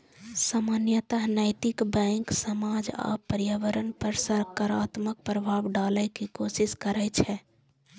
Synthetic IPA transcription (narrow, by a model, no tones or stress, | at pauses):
samanjət̪əɦnəɪt̪ikbɛ̃ŋksəmad͡ʒa̰pəɾjəʋəɾənpəɾsəɾkaɾat̪mək̚pɾəbʱabɖaləkikosiskəɾɛt͡ʃʰɛ